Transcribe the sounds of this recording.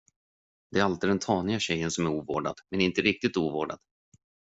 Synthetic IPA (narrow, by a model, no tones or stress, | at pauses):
d̪ɛæɾalt̪ɪd̪ɛnt̪ʰɑːnɪɡaɕɛjːənsɔmæɾuːvo̰ːɖa̰d̪mɛnɪnt̪əɾɪk̚t̪ɪt̪uːvo̰ːɖa̰d̪